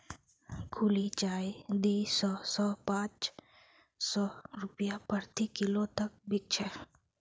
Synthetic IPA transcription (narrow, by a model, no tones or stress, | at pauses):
kʰulit͡ʃaːed̪iːsɔːsɔːpãːt͡ʃ | sɔːɾʊpjapəɾt̪ikɪlot̪ək̚bɪk̚t͡ʃʰə